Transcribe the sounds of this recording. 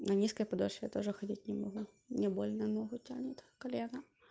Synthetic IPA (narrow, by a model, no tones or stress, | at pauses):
nɐnʲiskəjpɐd̪oɕʲt̪oʐɨxɐdʲitʲnʲɪmɐɣu | nʲɪbolʲnɐnoɦʊtʲanʲɪt̪ʲkɐlʲena